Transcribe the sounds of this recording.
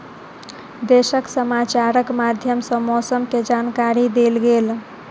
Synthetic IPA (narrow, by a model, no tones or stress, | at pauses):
d̪esəksəmat͡ʃaɾəkmad̪ʱjəmsəmɔsəmked͡ʒankaɾid̪elɡel